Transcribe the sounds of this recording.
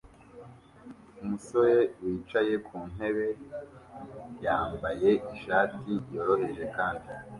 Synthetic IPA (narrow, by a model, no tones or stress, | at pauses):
umuso̞je̞wiːt͡ʃaje̞kʰuːn̥ɦe̞βe̞ | jaːmbaje̞iʃaːtijo̞ːɾo̞he̞ʒe̞kaːndi